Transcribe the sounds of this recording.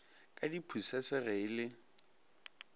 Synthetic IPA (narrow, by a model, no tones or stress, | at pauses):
kʼadipʰusɛsɛɣɛɪlɪ